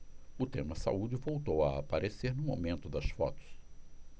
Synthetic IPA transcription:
ʊt̪ẽmɐsa̰ud͡ʒɪvowt̪owɐa̰paɾeseɾnʊmo̰mẽnt̪ʊd̪ɐsfɔ̰t̪ʊ̥s

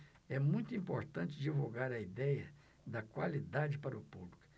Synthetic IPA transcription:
ɛmũj̃t̪ʊĩpoɾt̪ɐ̃nt͡ʃɪd͡ʒivuɡaɾɐid̪ɛjɐ | d̪ɐkwalid̪ad͡ʒɪpaɾɐʊpublikʊ̥

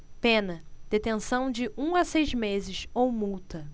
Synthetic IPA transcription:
pẽnɐd̪̥et̪ẽsɐ̃w̃d͡ʒɪʔũasejzmezɪsowmuwt̪ɐ

